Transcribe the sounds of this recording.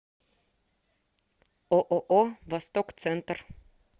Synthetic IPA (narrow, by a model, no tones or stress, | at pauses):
oʔoʔoːvɑst̪ɔk̪sɛnt̪əɾ